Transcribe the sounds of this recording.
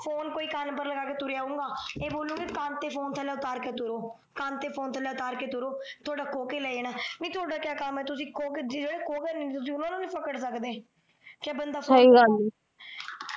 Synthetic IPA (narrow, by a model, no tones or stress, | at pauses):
pʰoːnkoːiːkaːnpəɾləɡaːkeːt̪ʊɾjaːũːŋɡaːeːboːlũːɡikãːnt̪eːpʰoːnt̪ʰɛːlɛːʊt̪aːɾkeːt̪ʊɾoː | kãːnt̪eːpʰoːnt̪ʰɛːlɛːʊt̪aːɾkeːt̪ʊɾoː | t̪ʰoːɖaːkoːkeːlɛːeːnaːnĩːt̪ʰoːɽaːkɪjaːkamɛːt̪ʊsĩːkoːked͡ʒd͡ʒeːɽeːkoːkɛːnẽːt̪ʊs̬ĩːʊnãːnũːnĩːpʰəkəɽsəkd̪eː | kaːbənd̪aːsaiːɡand̪iː